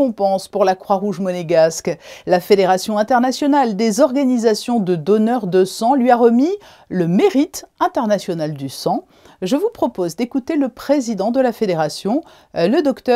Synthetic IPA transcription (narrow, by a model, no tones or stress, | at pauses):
ɔ̃pɑ̃spuʁlakχwaʁuʒmɔneɡasklafed̪eʁasjɔ̃ɛ̃t̪ɛʁnasjɔnald̪ezɔʁɡanizasjɔ̃d̪əd̪ɔnœʁd̪əsɑ̃lɥiaʁəmi | ləmeʁit̪ɛ̃t̪ɛʁnasjɔnald̪ysɑ̃ | ʒəvupχɔpozd̪ekut̪eləpχezid̪ɑ̃d̪əlafed̪eʁasjɔ̃ | ləd̪ɔkt̪œ